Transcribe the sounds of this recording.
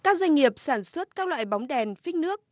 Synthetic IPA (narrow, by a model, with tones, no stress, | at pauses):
kaː˦˥k̚zwa˧ŋ̟ŋi˨˩əp̚saː˧˩nswə˦˥t̚kaː˦˥k̚lwa̰ː˧˨jɓa˨˦wŋ͡mɗɛ˨˩nfï˦˥ŋ̟̚nɨ˦˥ək̚